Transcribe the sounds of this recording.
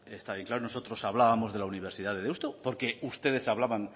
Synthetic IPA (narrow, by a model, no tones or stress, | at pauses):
est̪aβjeŋklaɾono̞sot̪ɾo̞saβlaβamo̞zðe̞launiβ̞e̞ɾsiðaðeðewst̪opo̞ɾke̞ust̪e̞ð̞e̞saβlaβaŋ